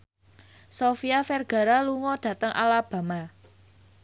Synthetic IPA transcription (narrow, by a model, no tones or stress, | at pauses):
sofiafɛrɡ̥a̤ɾaluŋɔɖ̥ä̤t̪əŋʔa̰lab̥a̤ma